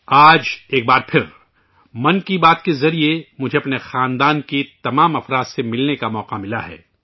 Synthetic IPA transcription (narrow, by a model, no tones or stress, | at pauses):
aːd͡ʒeːk̚baːɾpʰɪɾ | mɐnkibaːt̪kezɐɾiemʊd͡ʒʱeɐpnexaːnd̪aːnkit̪ɐmaːmɐfɾaːd̪semɪlnekamɔːqamɪla̰ɦɛ̰ː